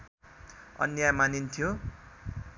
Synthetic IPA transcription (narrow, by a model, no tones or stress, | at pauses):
ʌ̰njajmanint̪ʰjo